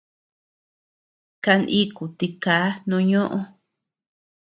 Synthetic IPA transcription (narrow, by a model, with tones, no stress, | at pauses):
ka˧nʔĩ˦ku˨t̪i˧kaː˨˦nũ˧ɲõ˦ʔõ˦˧